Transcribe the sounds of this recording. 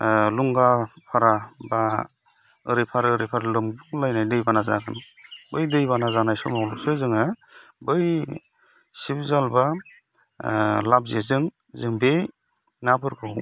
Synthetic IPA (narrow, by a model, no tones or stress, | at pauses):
luŋɡapʰaɾaba | ɯɾipʰaɾɾipʰaɾalɯmbuŋlajnajdɯjbanaza̰ɡɯn | bɯjdɯjbanazanajsɔ̰mawlɔksɯzɯŋabɯj | sibzalba | lab̚zezɯŋ | zɯŋbe | nabɯɾkʰɯw